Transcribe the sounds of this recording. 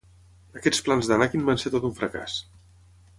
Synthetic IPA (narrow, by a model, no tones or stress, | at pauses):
əkɛt͡splanzðənakinbanset̪ot̪uɱfɾəka̰s